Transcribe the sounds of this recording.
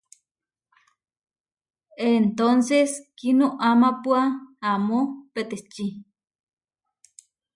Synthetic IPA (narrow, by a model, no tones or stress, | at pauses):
ent̪onseskinoʔamapwaamopet̪et͡ʃi